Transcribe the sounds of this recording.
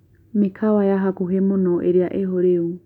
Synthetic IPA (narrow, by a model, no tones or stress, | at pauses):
mikʰawajaɦakuɦemunɔʔeɾiaʔeɦoɾeu